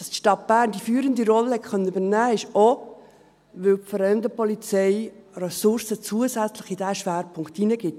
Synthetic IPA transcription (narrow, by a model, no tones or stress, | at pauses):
d̥ɑstʃtɑt̚b̥æːɾnd̥ifyːɾənd̪iɾɔləhɛtχœnːənybəɾnæːɪʃo | ʋʏwpfəɾɛʏmdəpɔlit͡sɛɪrɛsʊɾsət͡suəsæt͡slɪχid̥æʃʋæːɾpʰʊŋktinəɡ̥ɪt